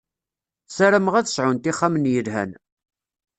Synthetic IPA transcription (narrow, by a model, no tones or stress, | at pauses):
sæɾəməʁæθə̥sʕʊnt̪iχːamənjəlɦæ̰n